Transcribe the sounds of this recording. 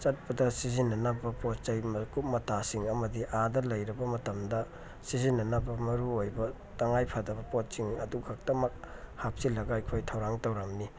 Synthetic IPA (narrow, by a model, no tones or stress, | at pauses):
t͡ʃɐt̚pɐdɐsizinːɐnɐbɐpot̚t͡ʃɐjmɐkup̚mɐtasiŋɐmɐdiʔadɐlɐjɾɐbɐmɐtɐmdɐ | sizinːɐnɐbɐmɐɾuojbɐ | tɐŋajpʰɐdɐbɐpot̚siŋɐduɡʱak̚tɐmɐk̚hap̚silːɐɡɐɐjkʰojtʰɐwɾaŋtɐwɾɐmni